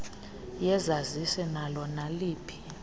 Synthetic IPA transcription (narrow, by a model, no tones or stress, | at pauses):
jɛzazisɛnalɔnaliːpʰi̥